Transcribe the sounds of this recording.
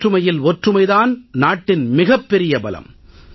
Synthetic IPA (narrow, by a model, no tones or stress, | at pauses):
ʈrɯmɐjɪlɔʈrɯmɐɪðaːnnaːʈːɪnmɪɣɐpːɛɾɪjɐbɐlɐ̰m